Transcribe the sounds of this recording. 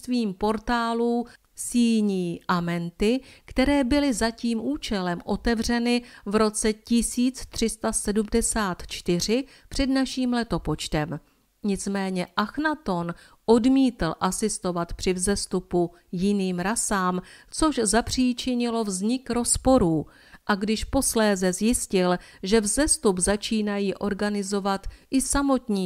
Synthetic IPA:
t̪viːmpo̞ɾt̪aːluː | siːɲiːʔamɛnt̪ɪkt̪ɛɾɛːbɪlɪzaciːmʔuːt͡ʃɛlɛmʔo̞t̪ɛvr̝ɛnɪvɾo̞t͡sɛcɪsiːt͡st̪r̝̥ɪst̪asɛdumdɛsaːt̪t͡ʃt̪ɪr̝ɪpr̝̥ɛdnaʃiːmlɛt̪o̞po̞t͡ʃt̪ɛm | ɲɪt͡smɛːɲɛʔaxnat̪o̞n | ʔo̞dmiːt̪l̩ʔasɪst̪o̞vat̪pr̝̥ɪvzɛst̪upu | jɪniːmɾasaːmt͡so̞ʒzapr̝̥iːt͡ʃɪɲɪlo̞vzɲɪkɾo̞spo̞ɾuː | ʔaɡdɪʃpo̞slɛːzɛzjɪscɪlʒɛvzɛst̪upzat͡ʃiːnajiːʔo̞ɾɡanɪzo̞vat̪ʔɪsamo̞t̪ɲiː

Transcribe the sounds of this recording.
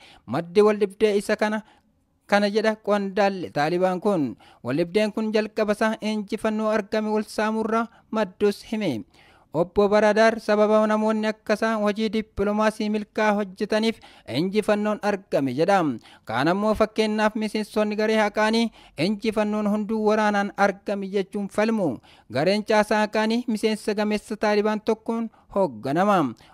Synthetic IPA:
mɐd̪ːiːwɐlːɪb̚d̪e̞ːɪsɐkɐnɐ | kɐnɐd͡ʒɛᶑɐkʼɔnd̪aːlːɛt̪aːlɪbaːŋkʊn | wɐ̰lːɪb̚d̪e̞ːŋkʊnd͡ʒɐlkʼɐbɐsaʔɪnd͡ʒɪfɐnːoːɐɾɡɐmɛwɐlsaːmʊrːa | mɐd̪ːuːshɪmɛ | ʔɔbːobɐɾaːd̪aːɾsɐbɐbɐnɐmo̞ːnːɪɐkːɐsaːnwɐd͡ʒiːd̪ɪpːlɔmaːsiːmɪlkaːhɔd͡ʒːɛt̪ɐniːf | ɪnd͡ʒɪfɐnːo̞ːnɐɾɡɐmɛd͡ʒɛᶑɐmka̰ːnɐmːo̞ːfɐkːe̞ːnːaːfmɪseːnsɔnːɪɡɐɾeːhɐkʼaːniːɪnd͡ʒɪfɐnːo̞ːnɦʊnd̪uːwɐɾaːnaːnɐɾɡɐmɛd͡ʒɛt͡ʃːuːnfɐlmʊ | ɡɐɾe̞ːnt͡ʃʼaːsaːhɐkʼaːniːmɪse̞ːnsɐɡɐmeːsːɐt̪aːlɪbaːnt̪ɔkːɔn | hoːɡːɐnɐmɐm

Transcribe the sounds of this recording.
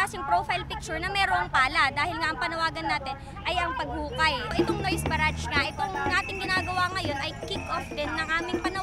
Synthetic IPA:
asɪŋpɾofɐjlpɪk̚t͡ʃʊɹnɐmɛːɾoɐŋpaːlɐd̪aːhɪlŋɐʔɐŋpɐnɐwaːɡɐnːaːt̪ɪn | ʔɐjʔɐŋpɐɡ̚huːkɐjʔɪt̪o̞ŋnojsbɐɾat͡ʃŋɐʔɪt̪oŋnaːt̪ɪŋɡɪnaːɡɐwaŋɐjo̞nʔɐjkɪkʔofd̪ɪnːɐŋʔaːmɪŋpɐnɐ

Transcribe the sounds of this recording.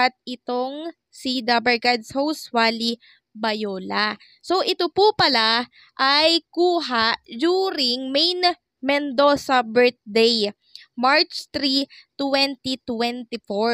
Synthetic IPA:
ɐt̪̚ɪt̪oŋ | sid̪abɛɹɡad̪showswali | bɐjoːla | so̞ʔɪt̪opupɐla | ʔajkuːɦaʔd͡ʒuːɾɪŋmejn | mɛnd̪osɐbɛɹt̪̚d̪ej | maɹt͡ʃt̪ɾit̪wɛnt̪it̪wɛnt̪ɪfoɹ

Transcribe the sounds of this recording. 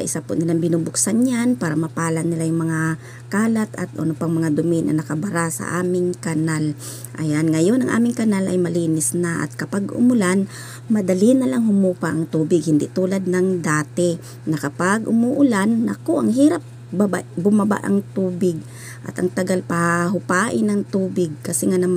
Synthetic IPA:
sɐʔɪsapʊnɪlaŋbɪnubʊksanɲanpaːɾɐmɐpaːlanɪlajʊŋmɐŋa | kaːlat̪ɐ̰t̪̚ʔo̰nopɐŋmɐŋad̪ʊmɪnʔɐ̰nɐkɐbaɾasɐ̰ʔaːmɪŋkanal | ʔa̰janŋɐjo̞nʔɐŋʔa̰ːmɪŋkanalɐ̰jmɐliːnɪsnaʔa̰t̪̚kɐpaɡʔʊ̰mʊlan | mɐd̪ɐlinɐlaŋɦʊmupaʔɐŋt̪uːbɪɡhɪnd̪ɪʔt̪uːlad̪̚nɐŋd̪aːt̪ɪ | nɐkɐpaɡʔʊmʊʔʊlanːɐkoʔɐŋɦiːɾap̚ | baba̰ʔbʊmaba̰ʔɐ̰ŋt̪uːbɪɡ̚ | ʔɐ̰t̪ʔɐŋt̪ɐɡalpahaɦʊpaːʔɪnɐŋt̪uːbɪɡ̚kɐsɛŋanɐma

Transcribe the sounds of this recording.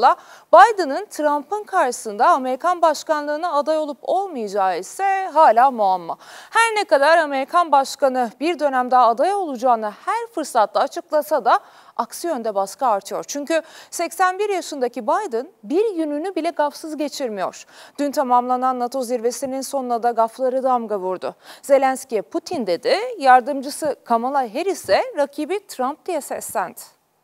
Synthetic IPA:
lˠabajd̪ɯnɯnt̪ʰɾampʰɯnkʰaɾʃɯsɯnd̪aːme̞ɾikʰanbaʃkanlˠɯːnaːd̪ajo̞lˠupʰo̞lˠmɯjad͡ʒaːisɛɦaːlʲaːmuamːahæɾnekad̪aɾame̞ɾikʰanbaʃkanɯbiɾd̪ø̞næmd̪ɛːd̪ajao̞lˠud͡ʒaːnɯhæɾfɯɾsat̪lˠaːt͡ʃʰɯklˠasad̪a | aksijø̞nd̪ɛbaskaːɾt̪ʰɯjo̞ɾt͡ʃʰyɲcysɛcsænbiɾjaʃɯnd̪acibajd̪ɯnbiɾjynynybilʲɛɡafsɯzɟe̞t͡ʃʰiɾmijo̞̰ɾ̥d̪̥ynt̪ʰamamlˠananːat̪ʰo̞ziɾve̞sininso̞nlˠad̪aɡaflˠaɾɯd̪amɡavuɾd̪ʊ̰ze̞lʲænscʲijɛpʰut̪ʰind̪e̞d̪ɪjaɾd̪ɯmd͡ʒɯsɯkʰamalˠaɦe̞ɾisɛɾacʰiːbit̪ʰɾamp̚d̪ijɛsɛsːænd̪

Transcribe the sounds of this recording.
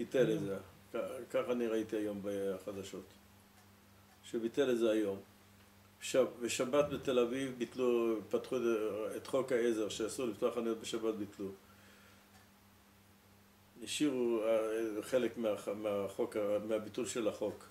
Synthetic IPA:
biteleze | kakaχaniʁait̪iajo̞mbeaχad̪aʃo̞t̪ | ʃebitelezeajo̞m | ʃavbeʃabat̪bete̞lavivbitlupat̪χuet̪χo̞khaezeʁʃeasuliftoaχanujot̪̚beʃabat̪̚bitlu | iʃiʁuaχe̞lekmeameaχokameabitulʃe̞laχo̞k

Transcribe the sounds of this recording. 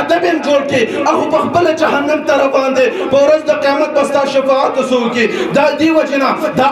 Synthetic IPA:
d̪ɐbend͡ʒoɽkeaɦupəxpəlad͡ʒaɦanːamt̪ɐɾɐbɑːnd̪epəwɾɐzd̪əqijɑmat̪̚bɐst̪ɑːʃɐfɑːt̪osoked̪ad̪ewɐd͡ʒenad̪a

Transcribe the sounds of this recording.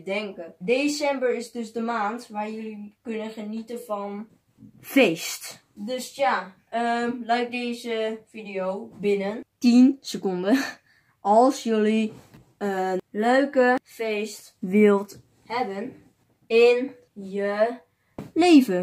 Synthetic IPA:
dɛŋkədesɛmbəɹɪsdɵsdəmaːntʋaːɹjølikɵnənχənitənfɔn | feːst | døsja | əlɛɥk̚dejzəfidiowbɪnəntinsəkondə | ʔɑlˠsjøli | ənløɥkəfeːst | ʋɪlˠt | hɛbən | ɪn | jə | leːvə

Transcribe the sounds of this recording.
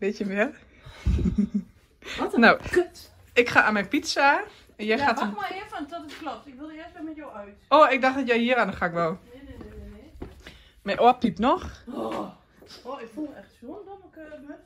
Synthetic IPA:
bɪtjəʋɛr | now | ɪkxaamɛnpitsaː | ɛnjɛjxatmaɪfɔntɔtətklɔp̚tɪkʋɪlˠdəɪəstʋɛmɛtjoœɥtoːɪk̚daxtdɔtjɛjhiəɾanəxaːɪkʋɛlˠ | mɛjʔoəpipnɔx | oɪkfulˠɛxtsondoməkø

